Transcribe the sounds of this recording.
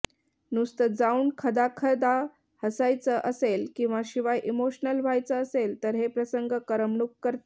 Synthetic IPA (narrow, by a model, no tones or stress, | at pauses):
nust̪əd͡zauːnkʰəd̪akʰəd̪a | həsajt͡səʔəselkĩw̃ʋaɕiʋajʔimoɕnəlʋʱajt͡səːselt̪əɾɦepɾəsəŋɡəkəɾəmɳukːəɾt̪e